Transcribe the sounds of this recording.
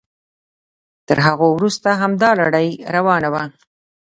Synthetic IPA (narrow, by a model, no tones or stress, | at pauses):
t̪əɾɦaɣowɾust̪aɦamd̪ɑlaɽəjɾawɑnawa